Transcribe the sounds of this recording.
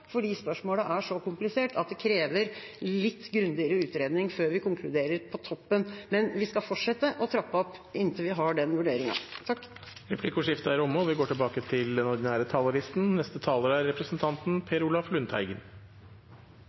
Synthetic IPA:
fɔɖiːspœʂmoːləʔæʂɔkʊmplɪseːʈʰɑt̪̚d̪ɛkʰɾeːʋəɾlɪt̪ːɡɾʉnd̪ɪəɾəʉːt̪ɾeːd̪nɪŋføːɾʋɪkʊŋkʰlʉd̪eːɾəɾpʰɔt̪ʰɔpːənmɛnʋɪskɑfɔʈʂɛt̪ːəʔɔt̪ʰɾɑpːəɔpːɪnt̪ʰəʋɪɦɑɖɛnʋʉɖeːɾɪŋɑ̰t̪ʰɑkːɾɛpʰlɪkʊʂɪft̪əæɾʊmːəɔʋɪɡoːʈɪlbɑːkət̪ʰɪld̪ɛnɔɖɪnæːɾət̪ʰɑːləɾɪst̪n̩nɛst̪ət̪ʰɑːləɾæɾːɛpɾəsənt̪ʰɑnt̪n̩pʰeːɾʊlɑflʉnt̪ʰhæ̰ɪɡən

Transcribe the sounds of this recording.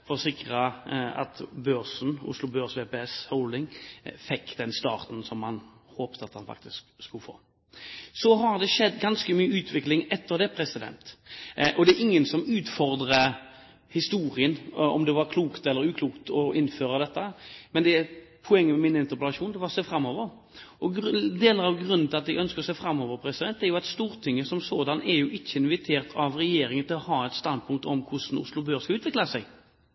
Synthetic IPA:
fɔɾɔsɪkɾəɑ̰t̪bøɾsn̩ʊ̰slʊbøːɾsʋeːpeɛshɔʊld̪ɪŋfɛkːd̪̥ɛnst̪ɑ̰ːɾt̪n̩sɔmːhɑnhoːpt̪ʰəɑt̪hɑnfɑ̰k̚t̪ɪskskʉlfo̰ː | sɔɦɑɾd̪ɛʂɛd̪ːɡɑnskəmyːəʉːt̪ʰʋɪklɪŋɛt̪ːəɾd̪ɛpʰɾɛsɪd̪ɛ̰nt̪ʔɔd̪ɛæɾɪŋːənsɔmʉːt̪fɔɾd̪ɾə | hɪst̪uːɾɪənɔ̰md̪ɛʋɑɾkʰluːkt̪ɛlːəɾʉːkʰluːkt̪ɔʔɪnːføːɾəd̪ɛt̪ːəmɛnd̪ɛæɾ | pʰɔɛŋːəmɛmɪnɪnt̪əʁpəlɑʂuːnɛʋɑʁseːfɾɑmːoːʋəɾ | ɔɡd̪eːləɾɑʋɡɾʉnːn̩ʰɪlɑt̪j̪ɛɡʔœnskəɾɔseːfɾɑmːɔːʋəɾpʰɾɛsɪd̪ɛnt̪ːæɾjʊɑt̪st̪uːɾt̪ʰɪŋːəsɔmsoːd̪ɑnɛɾjʊʔɪçːəɪnʋɪt̪ʰeːɾt̪ʰɑʋɾɛjeːɾɪŋənt̪ʰɪlɔhɑːɛt̪st̪ɑnd̪̚pʰʊŋk̚t̪ɔmkʰʊʂn̩ʊ̰slʊbøːɾskɑʉːt̪ʋɪklɑsæɪ

